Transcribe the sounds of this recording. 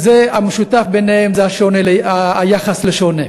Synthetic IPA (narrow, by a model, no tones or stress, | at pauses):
zeameʃutafbenehemzeaʃonelaːjaχasleʃone